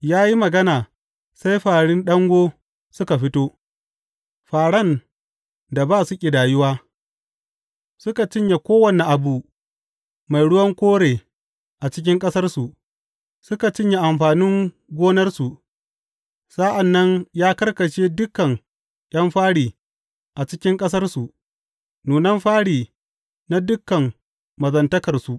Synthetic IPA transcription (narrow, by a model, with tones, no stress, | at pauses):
jaː˦ji˦mɐ˨ɡɐ˦naː˨ | sa˦jɸaː˨ɽɪ˦nɗɐ˦ŋɡʷoː˦ | sʊ˦ka˨ɸɪ˦toː˦ | ɸaː˨ɽɐ˦n | da˨baː˦sʊ˦kʲʼi˨daː˨jʊ˦waː˦ | sʊ˦ka˨t͡ʃɪ˦ɲja˨kʷoː˦wɐ˨ne˨ʔa˨bu˨ | ma˨jɽʊ˦wɐ˦ŋkʷoː˦ɽeː˨ | ʔa˨t͡ʃɪ˦k̬ʲɪ˦ŋkʼɐ˦sɐ˦rsu˨ʔ | sʊ˦ka˨t͡ʃɪ˦ɲja˨ʔa˨mɸaː˨nɪ˦ŋ | ɡʷoː˦nɐ˦rsu˨ʔ | sa˦ʔa˨nːɐ˦ɲjaː˦kɐ˦rkɐ˨t͡ʃeː˦dʊ˦kːɐ˨ŋ | jʲʔɐ˦mɸaː˦ɽiː˨ | ʔa˨t͡ʃɪ˦kʲɪ˦ŋkʼɐ˦sɐ˦rsu˨ʔ | nuː˨nɐ˦mɸaː˦ɽiː˨ | na˦dʊ˦kːɐ˨m | mɐ˨zɐ˨ntɐ˦kɐ˨rsu˨ʔ